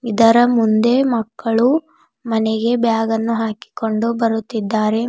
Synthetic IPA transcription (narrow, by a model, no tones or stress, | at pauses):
id̪ɐɾɐmund̪e̞mɐkːɐɭu | mɐneɡe̞bjaːɡɐnːuɦaːki̥ko̞ɳɖubɐɾut̪ːid̪ːaːɾe̞